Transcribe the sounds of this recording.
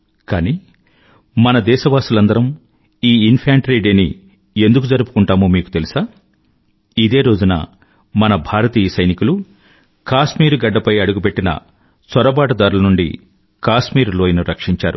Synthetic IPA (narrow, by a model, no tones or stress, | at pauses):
kaːniː | mɐnɐd̪ɛːʃɐʋaːsulɐnd̪ɐɾɐm | iːinpʰjaːɳʈɾeːɖeːnḭ | e̞nd̪uk̬ud͡ʒɐɾupu̥kuɳʈaːmomiːku̥t̪e̞lisaː | id̪e̞ːɾo̞ːd͡ʒunɐ̰ | mɐnɐbʱaːɾɐt̪iːjɐsɐjnikulu | kaːʃmiːɾuɡɐɖːɐpɐjɐɽuɡupe̞ʈːinɐ̰ | sɐɾɐbaːʈɐd̪aːɾulɐnuɳɖḭ | kaːsmiːɾloːjnuɾɐkʂiɲt͡ʃaːɾu